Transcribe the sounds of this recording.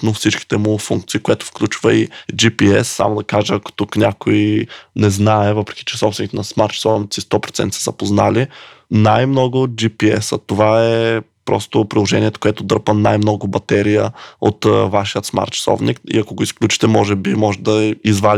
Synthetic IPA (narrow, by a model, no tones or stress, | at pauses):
nofsit͡ʃki̥t̪ɛmʊfuŋk̚t̪siːkoɛt̪ʊ̥fklʲut͡ʃvəid͡ʒipiɛ̰sːa̰mod̪ɐkaʒəɐko̥t̪uknʲakoinɛznaɛvɤpɾɛ̥kʲi̥t͡ʃɛ̥sɔpsvɛnit̪ɛnɐsmaɾt̪t͡ʃsɔvnit̪sist̪ɔpɾot̪ɛ̰nt̪sɛzɐpozna̰linajmnɔɡʊd͡ʒipiɛ̰sət̪ovaɛpɾɔ̰st̪opɾilˠoʒɛnʲiɛt̪o̥koɛt̪od̪ɤɾpənajmnɔɡʊbɐt̪ɛɾijəo̰t̪vaʃijət̪sma̰ɾt̪sɔ̰vnḭkḭɐkoɡoisklʲut͡ʃi̥t̪ɛmɔʒɛbimɔʒɛd̪ɐizval